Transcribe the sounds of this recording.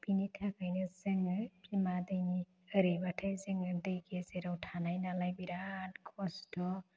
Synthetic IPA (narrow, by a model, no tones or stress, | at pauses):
binitʰakʰəjnɯzɯŋɯpʰimad̪ɯjni | əɾibatʰɯjzɯŋɯd̪ɯjkezeɾawtʰanajnalajbiɾankʰɔstɔ